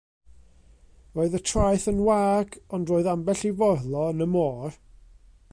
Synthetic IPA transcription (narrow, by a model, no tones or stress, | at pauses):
roːɨðətʰrajθənwaːɡɔndroːɨðambɛɬivɔrlˠɔənəmɔːr